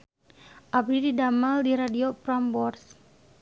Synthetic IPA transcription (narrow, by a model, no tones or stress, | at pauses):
ʔabɾididamaldiɾadiopɾambɔrs